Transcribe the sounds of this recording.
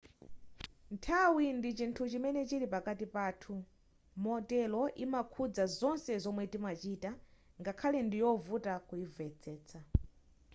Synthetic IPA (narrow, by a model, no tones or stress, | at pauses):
ntʰawindit͡ʃintʰut͡ʃimɛnɛt͡ʃiɾipakatipaːtʰu | mɔtɛlɔʔimakʰud͡zazɔnsɛzɔmwɛdimat͡ʃiːta | ŋɡakʰalɛndijɔvutakujivɛt͡sʰɛːt͡sʰa